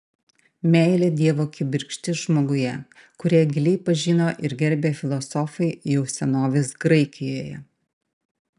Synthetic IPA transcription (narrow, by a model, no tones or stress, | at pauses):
mʲɛˑɪlʲed̪ʲiɛʋoːkʲɪbʲɪɾʲkʃʲt̪ʲɪsʒmoːɡʊjɛ | kʊɾʲiɛɡʲɪlʲɛɪpɐʒʲiːnoːʔɪɾɡʲɛɾʲbʲeːfʲɪlˠɔsɔfɐɪjɛʊsʲɛnoːʋʲɪsɡɾɐɪkʲɪjoːjɛ